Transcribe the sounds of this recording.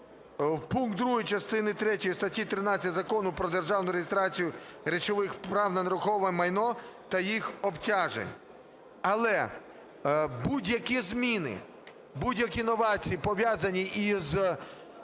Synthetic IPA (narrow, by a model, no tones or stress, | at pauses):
wpunk̚d̪d̪ɾuɦʊjt͡ʃɐst̪ɪnɪt̪ɾɛtʲɔjist̪ɐtʲːit̪ɾɪnɑɐtʲzɐkɔnʊpɾɔd̪erʒɑwnʊɾeɦʲɪst̪ɾɑt͡sʲijʊɾʲet͡ʃɔʋɪxpɾɑwnɐnɐɾʊxɔʋɐmɐjnɔt̪ɐjixɔptʲaʒḛnʲ | ɐlˠɛ | budʲjɐkʲizmʲinɪ̰ | budʲjɐkʲinɔʋɑt͡sʲijipɔʋʲjazɐnʲiʔiz